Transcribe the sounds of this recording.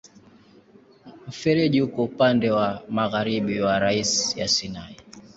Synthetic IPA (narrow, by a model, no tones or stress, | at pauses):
m̩fɛɾɛʄihukɔupandɛwamaɣaɾiɓiwaɾaisja̰sinai